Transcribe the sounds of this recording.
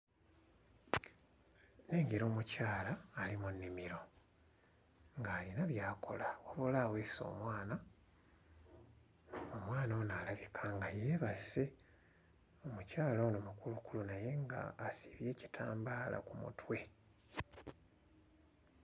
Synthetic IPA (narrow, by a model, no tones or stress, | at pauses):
ne̞ːŋɡeɾo̞ːmucaːlaːlimunːimiɾo̞ | ŋɡaːlinaβjaːko̞̰lawoβolaːwe̞so̞̰ːmwaːna | omwaːnonalaβikʰaŋɡajeːβase̞ | omucaːlonomukulukulunaje̞ŋɡa̰ːsi̥βje̞ːci̥tʰa̰ːmbaːlʔa̰kumṵtʰwe̞